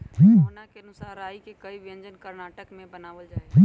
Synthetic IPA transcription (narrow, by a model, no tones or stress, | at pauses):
ɦĩːnakeɐnʊsaːɾaːikekɐiʋɪə̃ɲd͡ʒənkɐɾnaːʈəkmẽbɐnaːʋəld͡ʒaeɦĩ